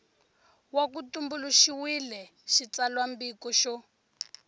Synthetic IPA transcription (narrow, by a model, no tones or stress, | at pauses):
wakutumbuluʃiwilɛ | ʃit͡salwambikɔʃɔ